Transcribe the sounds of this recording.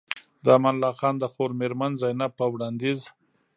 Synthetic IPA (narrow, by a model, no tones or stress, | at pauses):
d̪əamanlɑxɑnd̪əxoɾmeɾmanzajnapːəwɽɑnd̪iz